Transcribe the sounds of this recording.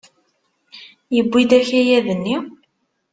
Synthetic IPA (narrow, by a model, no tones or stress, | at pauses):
jəbːid̪æçæjæðənːi